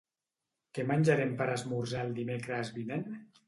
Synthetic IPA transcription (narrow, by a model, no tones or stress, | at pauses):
kemanʲd͡ʒaɾempəɾazmuɾzɛlˠd̪imekɾəzβinen